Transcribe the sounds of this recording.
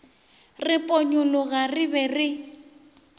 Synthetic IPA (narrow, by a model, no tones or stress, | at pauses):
rɪpʼɔɲʊlɔɣarɪbɛrɪ